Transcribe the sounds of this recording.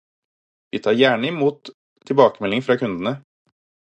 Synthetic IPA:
ʋḭːt̪ʰɑːɾjæːɳəɪmuːt̪ʰː | ɪlbɑːkəmɛlɪŋfɾɑːkʰʉnd̪ənə

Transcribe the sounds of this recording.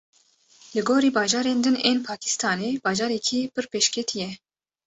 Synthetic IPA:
lɨɡoːɾiːbɑːʒɑːɾeːnd̪ɨneːnpʰɑːkʰi̥st̪ʰɑːneːbɑːʒɑːɾɛkʰipɨɾpeːʃkʰɛt̪ʰijɛ

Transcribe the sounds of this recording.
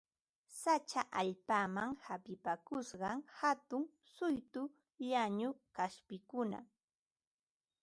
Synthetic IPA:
sat͡ʃaʔaʎpaːmaŋhapɪpakʊsɢɑŋhat̪ʊŋ | sʊjt̪ʊ | ʎaɲʊkaspɪkʊna̰

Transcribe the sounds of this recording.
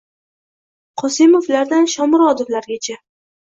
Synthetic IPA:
qʰɒsɪmoflaɾd̪anʃɒmʊɾɒd̪oflaɾɡʲat͡ʃʰa

